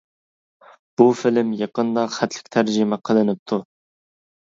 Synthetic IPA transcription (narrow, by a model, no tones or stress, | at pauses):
b̥ufɪlɪmjɑqənd̪ɑχæt̪ʰlɪ̥kʲt̪ʰæɾʒɪmɛqʰəlˠɨnɨp̚t̪ʰːu